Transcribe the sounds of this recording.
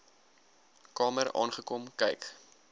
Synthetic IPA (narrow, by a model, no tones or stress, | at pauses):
kɑːməɾɑ̰ːnχəkɔmkɛjk